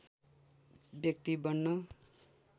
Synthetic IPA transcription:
bjʌk̚t̪ibʌnːʌ

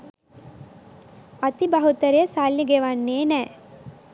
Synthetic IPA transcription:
ɐt̪ibɐɦut̪əɾejəsalːiɡeʋanːeːnɛː

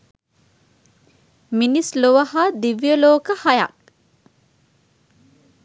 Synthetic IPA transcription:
minisloʋɐhad̪iʋijəloːkəhɐjɐ̰k

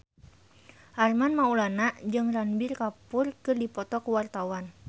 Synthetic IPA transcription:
ʔarmanmaulanaʔd͡ʒɨŋranbɪrkapʊrkɨrdipɔt̪ɔkuwart̪awan

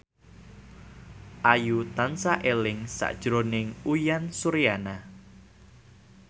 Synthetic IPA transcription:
ʔajut̪ansaʔelɪŋsa̰ʔd̥ʒ̥ɾonɪŋujansuɾijana

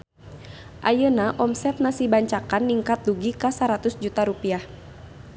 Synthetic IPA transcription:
ʔajənaʔɔmsɛt̪̚nasibaɲt͡ʃakanːiŋkat̪̚luɡikasaɾat̪usd͡ʒut̪aɾupiah

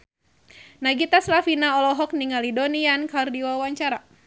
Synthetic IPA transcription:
naɡit̪aslafinaɔlɔɦɔk̚niŋalidɔniankardiwawaɲt͡ʃaɾa

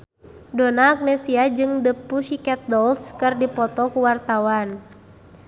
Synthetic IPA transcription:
dɔnaːk̚nɛsiad͡ʒɨŋdəpuʃikɛt̪̚dɔlskɨrdipɔt̪ɔkuwart̪awan

